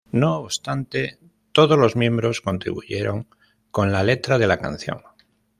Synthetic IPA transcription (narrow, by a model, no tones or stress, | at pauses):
no̞ːβst̪ant̪e | t̪o̞ð̞ozlo̞zmjẽ̞mbɾo̞sko̞nt̪ɾḭβṵʝeɾo̞̰ŋ | ko̞nlale̞t̪ɾað̞e̞laka̰n̟θjo̞̰ŋ